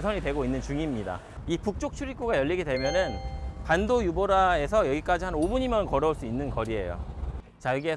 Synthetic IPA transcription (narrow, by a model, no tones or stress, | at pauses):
sʰʌɲidwe̞ɡoinːɯnt͡ɕuŋimɲida̰ | ipuk̚t͡ɕ͈ok̚t͡ɕʰuɾik͈uɡajʌʎːiɡide̞mjʌnɯnkandojuboɾae̞sʰʌjʌɡik͈ad͡ʑiɦhanobuɲimjʌnkʌɾjʌuɭs͈uinːɯnkʌɾiɦe̞̰jo̰ | t͡ɕaɡie